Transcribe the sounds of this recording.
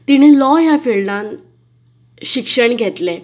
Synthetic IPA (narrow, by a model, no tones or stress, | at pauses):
t̪iñiːlɔjafeɭlãn | ɕikʂəɳɡʱɛt̪le